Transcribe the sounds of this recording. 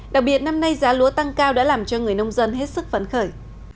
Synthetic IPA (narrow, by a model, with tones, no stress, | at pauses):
ɗa̰˨˩k̚ɓi˨˩ət̚na˧mna˧jzaː˨˦lu˨˦ət̪a˧ŋkaː˧wɗa̰ː˧˥laː˨˩mt͡ɕɔ˧ŋɨ˨˩əjnə˧wŋ͡mzə˧nɦe˦˥t̚sɨ˦˥k̚fə˨˦nxəː˧˩j